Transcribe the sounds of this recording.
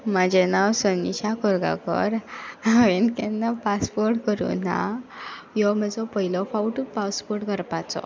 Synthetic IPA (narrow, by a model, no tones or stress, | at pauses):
mad͡ʑɛnawsəniɕakɔɾɡa̰kɔ̰ɾaʋenkɛnːapaspɔɾʈkəɾṵnã̰ | jɔməd͡zɔpəɦilɔfawʈupaspɔɾʈkəɾpat͡sɔ̰